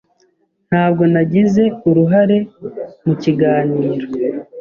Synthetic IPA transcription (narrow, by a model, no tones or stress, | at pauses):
n̥haːb̚ɡo̞naɟize̞uɾuɦaɾe̞muciɡaːniːɾo